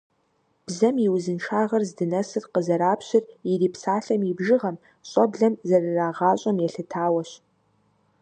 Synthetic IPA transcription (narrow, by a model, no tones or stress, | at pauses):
b̥zɐmjiwzɨnʈ͡ʂʰaːʁɐrzdɨnɐsɨrqəzɐɾaːpʰɕɪririːpʰsaːɬɐmibʒɪʁɐm | ɕʼɐbɮɐmzɐrɨraːʁaːɕʷʼɐmjɛɬɨtʰaːwɐɕ